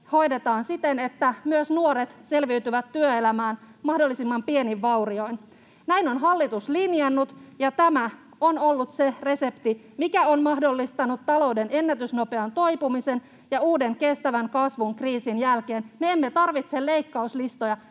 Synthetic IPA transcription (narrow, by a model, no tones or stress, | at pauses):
ho̞jde̞t̪ɑːnsit̪enet̪ːæmyøsnuoɾet̪se̞lʋiyt̪yʋæt̪ːyøelæmæːnmɑhdo̞lːisimːɑmpieniʋːɑwrio̞in | næinonɦɑlːit̪uslinjɑnːut̪jɑt̪æmæ | onolːut̪sere̞se̞pt̪i | mikæonmɑhdolːist̪ɑnut̪ːɑlo̞ude̞ne̞nːæt̪ysno̞peɑnt̪o̞jpumise̞n | jɑuːde̞ŋke̞st̪æʋæŋkɑsʋuŋkriːsinjælke̞ːnmeemːet̪ɑrʋit̪selle̞ikːɑuslist̪o̞jɑ